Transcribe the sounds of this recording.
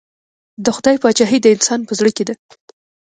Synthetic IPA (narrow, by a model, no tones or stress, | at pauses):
d̪əxʊd̪ɑjpɑt͡ʃɑɦid̪əɪnsɑnpəzɽəked̪a